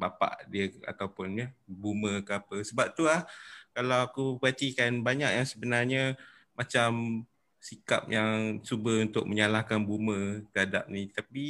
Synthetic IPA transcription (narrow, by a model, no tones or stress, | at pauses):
bapa̰ʔdiəa̰kawpʊnɲəbuməkəapəsəbap̚t̪ulahkalawakupəat̪ikanbaɲak̚jaŋsəbənarɲə | mat͡ʃam | sika̰p̚jaŋsubəunt̪ʊk̚məɲalahkanbumət̪əɦadap̚nit̪api